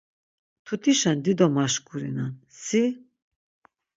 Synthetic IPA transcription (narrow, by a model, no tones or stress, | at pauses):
t̪ʰut̪ʰiʃɛnd̪id̪ɔmaʃkʼuɾinansi